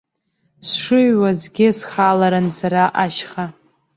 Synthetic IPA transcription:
sʂɨɥwazɡʲɪsχalaɾansaɾaʔaʃχa

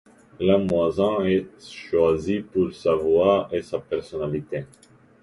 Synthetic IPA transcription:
lamwazɛ̃ɛtʃwazipuʁsavwaesapɛʁsɔnalit̪e

